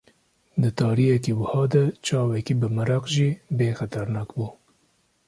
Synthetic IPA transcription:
d̪ɨt̪ɑːɾijɛkiwəhɑːd̪at͡ʃɑːwɛkibɨmɨɾɑqʒibeːxat̪aɾnɑːkbuː

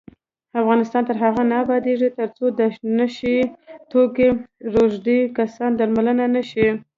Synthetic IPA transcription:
afɣɑnɪst̪ɑnt̪əɾɦaɣanabɑd̪eʐit̪əɾt͡sod̪anaʃit̪okeɾoʒd̪ikasɑnd̪aɾmalənanaʃi

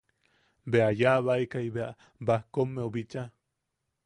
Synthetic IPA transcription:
beajaβaikaiβeaʔ | bahkomːeobit͡ʃa

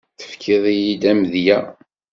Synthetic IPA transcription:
θə̥fkʰɪðˤijid̪æmðjæ

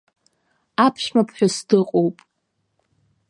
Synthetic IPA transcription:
apʰʃmapʰħʷᶣasdɨqʼowpʼ

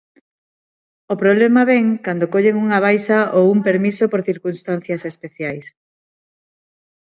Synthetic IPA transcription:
opɾoβ̞lemɐβɛŋkand̪okoʎeŋuŋaβ̞ajsaowumpeɾmisopoɾθiɾkunst̪an̟θjɐsespeθjajs

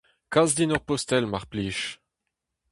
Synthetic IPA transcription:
kazd̪inɔʁpɔst̪ɛlmaʁpliːʃ

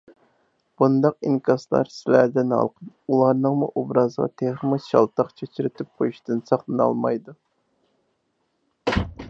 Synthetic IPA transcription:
b̥und̪ɑq̚iŋkʰɑslˠɑ̰ɾsɪlæd̪ɪnɑ̰lˠqən | ulˠɑɾnɨŋmṵʔobɾɑzəʁɑ̰t̪ʰeχəmɨʃɑ̰lˠt̪ɑqt͡ʃʰet͡ʃʰyɾɪt̪ʰyp̚qojuʃt̪ɨnsɑχlˠɨnɑ̰lˠmɑjd̪u

